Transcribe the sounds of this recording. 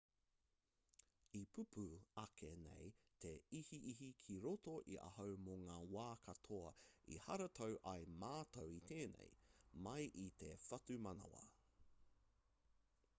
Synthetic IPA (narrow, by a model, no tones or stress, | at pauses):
ipʰʉpʰuɐkʰenḛj | t̪ʰeihiʔiɦikʰiɾotoʔiʔɐ̰ɦɐwmoŋaːwaːkʰɐtʰoɐḭhɐɾɐt̪ʰowʔɐjmaːtowit̪ʰeːnḛjmɐjʔit̪efɐtumɐnɐ̰wɐ̰